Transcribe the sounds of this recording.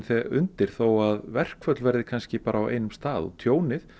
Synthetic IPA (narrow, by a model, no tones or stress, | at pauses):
nθɛʔʏnt̪ɪɾ̥θoːwaðvɛr̥kʰvœt̪lvɛɾðɪkʰanscɪpaːɾʔaːwʔḛːjnʏmst̪aːðɔ̰t̪ʰjoːwnɪθ